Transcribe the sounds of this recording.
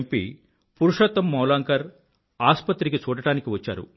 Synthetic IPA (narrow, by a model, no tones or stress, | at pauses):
mpḭ | puɾuʂɐt̪ːɐmːɐwlaːŋkɐɾ | aːspɐt̪ɾikit͡ʃuːɽɐʈaːnikiʋɐt͡ʃːa̰ːɾṵ